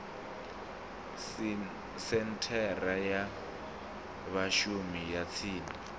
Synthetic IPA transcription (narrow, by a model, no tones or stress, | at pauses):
sɛntʰɛraja | βaʃumijat͡sʰiːni